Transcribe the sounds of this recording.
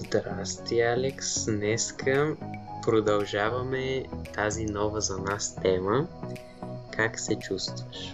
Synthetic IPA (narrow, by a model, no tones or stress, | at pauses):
zd̪ɾast̪ialɛksnɛskʰəpɾod̪ɐlˠʒavɐmɛt̪azinɔvəzɐnast̪ɛmə | kʰaksɛt͡ʃust̪vtəʃ